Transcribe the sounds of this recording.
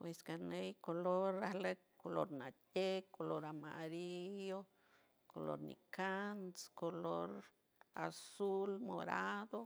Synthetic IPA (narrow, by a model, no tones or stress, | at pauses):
pweskanejkoloɾahle | kolo̰ɾnatekoloɾamaɾijo | kolo̰ɾnḭkanskoloɾ | a̰sulmo̰ɾad̪o